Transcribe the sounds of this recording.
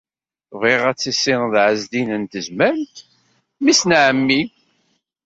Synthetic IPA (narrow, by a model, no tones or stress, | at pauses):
viʁæt͡sːisːɪŋðʕəzd̪inənt̪əzmæɾlt̪ | misnʕəmːi